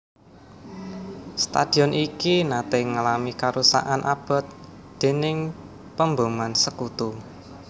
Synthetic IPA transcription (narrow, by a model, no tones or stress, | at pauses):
st̪a̰d̥i̤ɔnʔikinat̪eŋalamikaɾusa̰ʔanʔab̥ɔ̤t̪̚ | d̪̥e̤nɪŋ | pəmbomansəkut̪u